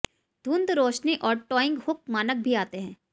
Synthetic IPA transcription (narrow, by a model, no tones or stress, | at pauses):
d̪ʱũnd̪ɾoːʃniʔɔːɾʈɔːɪ̃ŋɡhʊk̚maːnək̚bʱiaːt̪eɦɛ̃ː